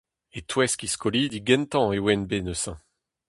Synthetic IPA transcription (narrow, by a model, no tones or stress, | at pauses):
et̪wɛskiskɔlid̪iɡɛ̃nt̪ɑ̃ewɛnbenøsɛ̃